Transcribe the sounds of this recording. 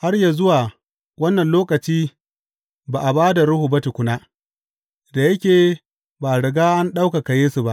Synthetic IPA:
ha˦rja˨zʊ˦waː˨ | wɐ˦nːɐ˨nloː˦kɐ˨t͡ʃiː˦ | baː˨ʔa˨baː˦da˨ɽʊ˦hu˨bɐ˦ti˨kʷʊ˦naː˦ | da˨jɐ˦kʲeː˨ | ba˨ɽɐ˨ɡaː˦ʔa˦nɗa˦wka˨ka˨jeː˦su˨ba˦ʔ

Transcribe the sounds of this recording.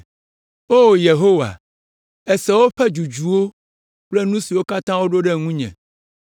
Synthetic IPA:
o˦˨je˨ɦo˦wa̰˨ | ɛ˨sɛ˦wo˦ɸɛ˦d͡ʒu˨d͡ʒu˨wo˦ | k͡plɛ˦nũ˦si˨wo˦ka˦t̪ã˦wo˦ɖo˦ɖɛ˦ŋũ˦ɲɛ̰̃˨

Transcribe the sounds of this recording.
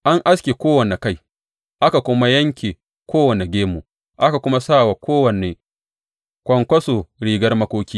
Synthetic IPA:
ʔa˦ŋʔa˦skʲe˨kʷoː˦wɐ˨ne˨ka˦˨j | ʔa˦ka˨kʷʊ˦ma˦jɐ˦ŋkʲeː˨ | kʷoː˦wɐ˨ne˨ɡʲeː˦mu˨ | ʔa˦ka˨kʷʊ˦ma˦sa˦˨wa˨kʷoː˦wɐ˨ne˨ | kʷɐ˨ŋkʷɐ˦soː˨ɽiː˨ɡɐ˦rmɐ˦kʷoː˦kʲiː˦

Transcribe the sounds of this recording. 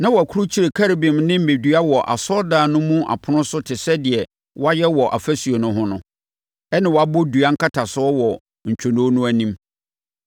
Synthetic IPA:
nã˦wɔ˨æ˨kʰu˦ɾu˦t͡ɕʰi˦ɾe˨kʰa˦ɾbɪ̃˨mnɪ̃˦m̩˨me˨dɥa˦wɔ˨ʔa̰˨sɔ˦daː˨nʊ̃˦mũ˦ʔa̰˨pʰʊ˦nʊ̃˦sʊ˦tʰɪ˨sɛ˦dɪ˨ɛ˨ | wʔɔ˦a˦jɛ˦wɔ˨ʔa˨fæ˦su˨o˨nʊ̃˦ɦʊ̃˦nʊ̃˦ | ɛ˦nã˨wɔ˨a˨bʊ˦du˨a˦ŋ̩˦kʰa˦tʰa˨sʊ˨˦ɔ˦wɔ˨ | ɲ̩˨t͡ɕᶣʰo˨nʊ̃˨˦nʊ̃˦æ˦nĩ˦m

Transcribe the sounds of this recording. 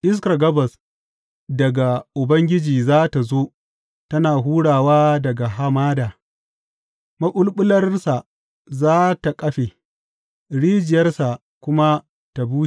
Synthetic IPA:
ʔɪ˦s̬kɐ˨ɡɐ˦bɐ˨s | dɐ˨ɡa˨ʔʊ˨bɐ˦ŋɡʲɪ˦d͡ʒiː˨zaː˦ta˨zoː˦ | tɐ˦naː˨ɦuː˦ɽaː˨waː˦dɐ˨ɡa˨ɦa˦maː˦daː˨ | mɐ˦ʔʊ˦lɓʊ˦lɐ˦rsa˨ | zaː˦ta˨kʼɐ˦ɸe˨ | ɽiː˦d͡ʒɪ˨jɐ˦rsa˨ | kʷʊ˦ma˦ | ta˨buː˦t͡ʃi˦˨

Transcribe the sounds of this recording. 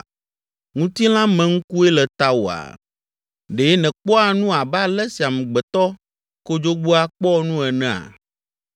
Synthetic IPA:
ŋũ˦t̪i˦l̃ã˦mɛ̃˦ŋ̩˦ku˦e˦lɛ˨t̪a˦wo˨a̰˨ | ɖe˨˦nɛ̃˨k͡pɔ˦a˨nũ˦a˨ba˦lɛ˦si˨a˨mɛ̃˨ɡ͡bɛ˨t̪ɔ˦ | ko˦d͡ʒo˦ɡ͡bo˦a˦k͡pɔ˦nũ˦ɛ˨nɛ̃˨a̰˨

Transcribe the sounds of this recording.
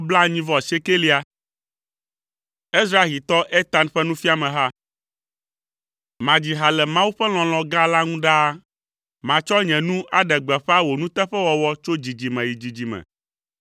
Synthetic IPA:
bla˦ɲĩ˦vɔ˨se˦ke˦li˦a˨ | e˦s̬ɾa˨e˦ɣi˨t̪ɔ˦ʔe˦t̪a˨nɸɛ˦nũ˦fi˦a˨mɛ̃˨ɦa˦ | mã˨d͡ʑi˨ɦa˨lɛ˨mã˦wu˦ɸɛ˦l̃ɔ̃˨l̃ɔ̃˨ɡa˦la˦ŋũ˦ɖa˦ | mã˨t͡ʃɔ˦ɲɛ̃˨nũ˦ʔa˨ɖɛ˨ɡ͡bɛ˨ɸɛ˦a˦wo˨nũ˦t̪ɛ˦ɸɛ˦wɔ˨wɔ˦t͡ʃo˦d͡ʑi˨d͡ʑi˨mɛ̃˨ji˨d͡ʑi˨d͡ʑi˨mɛ̰̃˨

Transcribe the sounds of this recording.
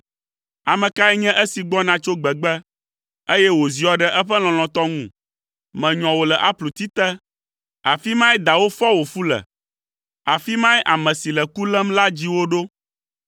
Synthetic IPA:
a˨mɛ̃˨ka˦ɛ˦ɲɛ̃˦ʔə˦si˨ɡ͡bɔ˦nã˨t͡ʃo˦ɡ͡bɛ˨ɡ͡bɛ˦ | e˦jɛ˦wo˨zi˨ɔ˨ɖɛ˨ʔɛ˦ɸɛ˦l̃ɔ̃˨l̃ɔ̃˨t̪ɔ˦ŋũ˦˨ | mɛ̃˨ɲɔ̃˨wo˨lɛ˨ʔa˦plu˨t̪i˦t̪ɛ˦ | a˨fi˦mã˦ɛ˦d̪a˨wo˦fɔ˦wo˨fu˦lɛ̰˨ | a˨fi˦mã˦ʔa˨mɛ̃˨si˨lɛ˨ku˦lɛ˦mla˦d͡ʑi˦wo˦ɖo˦

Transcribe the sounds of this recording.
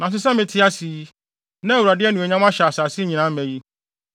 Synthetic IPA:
nã˨s̬ɪ˦sɛ̃˦mɪ̃˨tʰɪ˦a˦si˨˦ | nɛ̃˦˨wu˨ɾa˨dɪ˦ɛ˦nʊ̃˨ɛ˨ɲã˦ma˦ɕa˨saː˨sɪ˦ɲĩ˨nã˨˦mɛ̃˨ji˦

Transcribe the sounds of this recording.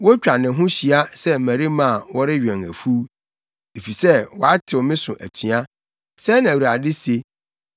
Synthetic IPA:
wɔ˦t͡ɕᶣa˨nɪ̃˨˦ɦʊ̃˦ɕi˨a˦sɛ˦˨mæ̃˨ɾi˦mã˦˨wɔ˦ɾɪ˦ɥᶣɛ̃˨ŋæ̰˨fu˦ | e˨fi˨sɛ˦wɔ˨a˦tʰɪ˨wɔ˨mɪ̃˦sʊ̰̃˨ʔæ̰˨t͡ɕʰĩ˨a˦ | sɛ˦nã˨wu˨ɾa˨dɪ˦se˨

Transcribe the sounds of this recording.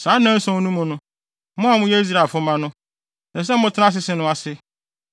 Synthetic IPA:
saː˨˦nã˦n̩˦sɔ̃˦nũ˦mʊ̃˨nʊ̃˦ | mʊ̃˦a˨˦mʊ̃˦jɛ˦i˦s̬ɾa˨fʊ˦mã˦nʊ̃˦ | nã˨s̬ɛ˦m̩˦mʊ̃˦tʰɪ˦nã˦s̬ɪ˦sɪ˦nʊ̃˦a˨sɪ˦

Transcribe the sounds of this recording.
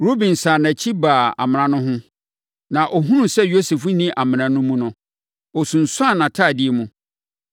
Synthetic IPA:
ɾo˦bĩ˨nsaː˨nã˨t͡ɕʰi˦baː˨a̰˨mɪ̃˨nã˨nʊ̃˦ɦʊ̃˦ | nã˨ʔɔ˨ɦũ˦nũ˦sɛ˦jo˦se˨fnĩ˦ʔa˨mɪ̃˨nã˨nʊ̃˦mũ˦nʊ̃˦ | ɔ˨sũ˨n̩˨sʊ˦a˦˨nã˨tʰaː˦˨dɪ˦e˨˦mũ˨

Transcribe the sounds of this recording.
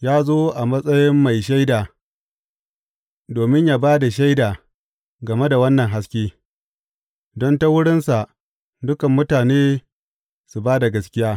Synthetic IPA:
jaː˦zoː˦ʔa˨mɐ˦sʼɐ˦jɪ˦mːa˨jʃa˦jdaː˨ | doː˨mɪ˦ɲjaː˦baː˦da˨ʃa˦jdaː˨ | ɡɐ˨me˦da˨wɐ˦nːɐ˨ŋɦa˦skʲeː˦ | dɔ˦nta˦wʊ˦ɽɪ˦nsa˨ʔ | dʊ˦kɐ˨mːʊ˦taː˨neː˦ | su˨baː˦da˨ɡɐ˦skʲɪ˦jaː˦

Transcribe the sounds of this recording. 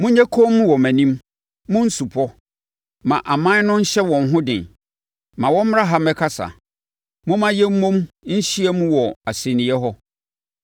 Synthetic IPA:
mʊ̃˦ɲæ˦kʰo˦mũ˦wɔ˨mæ̃˨nĩ˦m | mʊ̃˦n̩˦su˨pʰɔ˦ | mã̰˨ʔa˨mã˦nʊ̃˦ɲ̩˦ɕɛ˦wɔ̃˨n˦ɦʊ̃˦dɪ̰̃˨n | mã˨wɔ̃˦m̩˦m˦ɾa˦ɦa˨˦mɛ˦kʰa˦sa̰˨ | mʊ̃˦mã˦jɛ˦m̩˦mõ˦mɲ̩˦ɕi˦ɛ˦mũ˦wɔ˨a˨se˨nĩ˨ɛ˦ɦɔ˦

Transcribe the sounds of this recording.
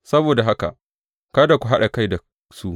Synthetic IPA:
sɐ˦boː˨da˨ɦa˦ka̰˨ | kaː˦da˨kʷu˨ɦa˦ɗa˨ka˦˨jda˨ | su˦ʔ

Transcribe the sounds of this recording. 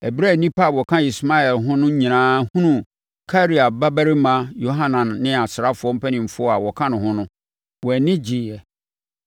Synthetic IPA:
ɛ˨bɾa˦˨nĩ˦pʰa˦˨wɔ˨kʰã˦i˨sma˦ɛ˨lɦʊ̃˦nʊ̃˦ɲĩ˨nãː˦hũ˦nũ˦˨ | kʰa˦ɾi˨a˨ba˦bæ˦ɾi˦mã˨jo˦ɦã˦nã˨nːɪ̃˦a˨sɾa˦fʊ˨ɔ˦m̩˦pʰɛ˦nɪ̃˨m̩˨fʊ˦ɔ˦a˨wɔ˨kʰã˦nʊ̃˨hʊ̃˦nʊ̃˦ | wɔ˨nɪ̃˦d͡ʑɪ˨jɛ˨

